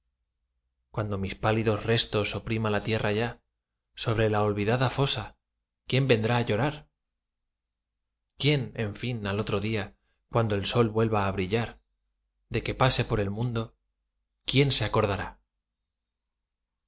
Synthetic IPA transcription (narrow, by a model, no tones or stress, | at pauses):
kwand̪o̞mispaliðo̞zre̞st̪o̞so̞pɾimalat̪je̞raʝa | so̞β̞ɾe̞lao̞lβiðaðafo̞sa | kje̞mbe̞nd̪ɾaːʝo̞ɾaɾ | kje̞ne̞ɱfinalo̞t̪ɾo̞ðia | kwand̪o̞elso̞lβwe̞lβaːβɾiʎaɾ | d̪e̞ke̞pase̞po̞ɾe̞lmũnd̪o̞ | kje̞nse̞ako̞ɾð̞aɾa